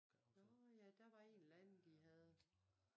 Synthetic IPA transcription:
ɔjæd̥æ̈ʋɑ̈e̝ːnlænd̥iɦæð̞ˠ

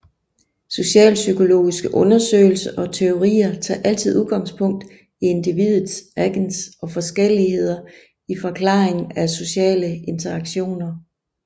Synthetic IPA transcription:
so̝ɕɛ̰ːlsykʰo̝lo̝̰ːisɡ̥əʔɔ̽nɐsø̰ːɪl̩sɐʔɒ̽t͡sʰe̝o̝ʁḭːɐt͡sʰɑ̰̈ːʔæl̰t͡sʰið̞ˠuðˠɡ̥ɑ̈ŋspʰɔ̽ŋ̰d̥ | ie̝nd̥iʋið̰ˠð̩ˠsæɡ̥nsɒ̽fɒ̽sɡ̥el̰ihe̝ð̞̰ˠɐ | ifɒ̽kʰlɑ̈ːeŋ̩æso̝ɕɛ̰ːləe̝nt͡sʰɐɑ̈ɡ̥ɕo̝̰ːnɐ

